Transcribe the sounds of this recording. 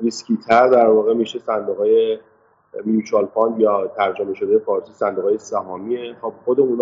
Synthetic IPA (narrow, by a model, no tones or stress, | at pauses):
diskʰiːt̪ʰæɾd̪æɾvɒːɣemiːʃesænd̪oɣɒːje | mjuːt͡ʃʰɑlfɑnd̪jɒːt̪ʰæɾd͡ʒome̞ʃod̪ejefɒːɾsisænd̪oɣɑːjesæɦɒːmiexob̚xod̪eũːn